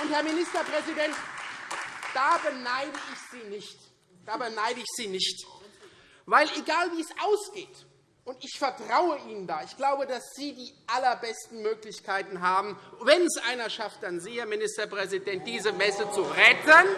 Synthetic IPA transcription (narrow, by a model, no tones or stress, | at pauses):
ʔʊnthɛɐmɪnɪstɐpʁ̥ɛzidɛnt | d̥aːbənaɪdəɪçz̥iːnɪçt | d̥aːbənaɪdəɪçz̥iːnɪçt | vaɪlʔeɡaːlviːɛsʔaʊsɡ̥eːt | ʔʊntɪçfɛɐtʁ̥aʊəʔiːnəndaːɪçɡ̥laʊbədasz̥iːdiːʔalɐbɛstn̩møːklɪçkʰaɪtn̩ɦaːbm̩vɛnsʔa̰ɪnɐʃaft̚d̥anziːheɐmɪnɪstɐpʁ̥ɛzidɛnt̚d̥iːzəmɛsət͡suʁɛtən